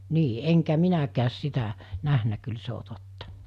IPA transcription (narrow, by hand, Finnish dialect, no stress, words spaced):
niː eŋkæ minækæːs sitæ næhnæ kyl se o totːɑ̥